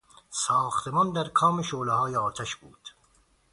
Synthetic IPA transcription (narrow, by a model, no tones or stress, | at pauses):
sɒːxt̪ʰemɒːnd̪æɾkʰɒːmeʃoːlehɒːjeɒːt̪ʰæʃbuːd̪̥